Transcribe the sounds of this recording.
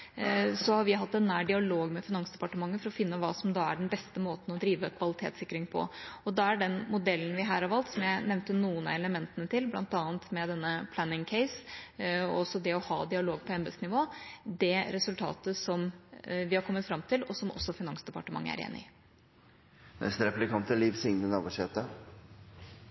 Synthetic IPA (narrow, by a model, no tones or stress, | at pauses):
sɔhɑɾʋɪɦɑt̪ːɛnːæːɖɪɑloːɡmɛfɪnɑŋsd̪ɛpɑʈəmɑŋːəfɔɾɔfɪnːəʋɑːsɔmd̪ɑæɖɛnbɛst̪əmoːt̪n̩ɔd̪ɾiːʋəkʰʋɑlɪt̪ʰḛːt̪sɪkːɾɪŋpʰɔ̰ɔd̪ɑæɖɛnmʊd̪ɛlːən̩ʋɪɦæːɾɑʋɑlt̪sɔmjæɪnɛʋnt̪ənuːənɑ̰ɛləmɛnt̪ənət̪ʰɪlblɑ̰nt̪ɑːənt̪mɛd̪ɛnːəpʰlænɪŋkʰɛɪs | ɔɔsːɔd̪ɛɔhɑ̰ːd̪ɪɑloːɡ̚pʰɔɛmb̪əsnɪʋoːd̪ɛɾɛsʉlt̪ʰɑ̰ːt̪əsɔmʋɪhɑɾkʰɔmːət̪fɾɑmt̪ʰɪlɔsɔmʔɔ̰sːɔfɪnɑŋsd̪ɛpɑʈəmɑ̰ŋːə̰æ̰ɾḛːnɪ̰ | nɛ̰st̪ɾɛplɪkʰɑnt̪əliːʋsɪŋnənɑʋəʂɛt̪ə